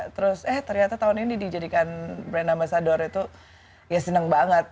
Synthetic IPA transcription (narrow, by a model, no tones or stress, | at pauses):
t̪əɾʊsəht̪ərɲat̪at̪aʊninidid͡ʒadikanbɾanamasadɔɾit̪u | jasənəŋbaŋət̪̚